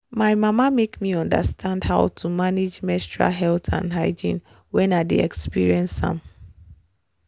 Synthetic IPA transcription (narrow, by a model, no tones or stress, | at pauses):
maɪmamamekmiɔ̃nda̰stʰãndhaʊtʰumaned͡ʒmɛstɹa̰ɦɛltʰã̰nɦaɪd͡ʒḭ̃n | wɛ̃nadḭɛkspiɹiɛ̃nsã̰m